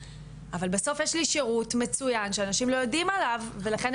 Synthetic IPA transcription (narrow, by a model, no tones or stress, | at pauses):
ʔavalbeso̞fjeʃliʃeʁutme̞t͡sujanʃeanaʃimlo̞jodimalavːe̞laχen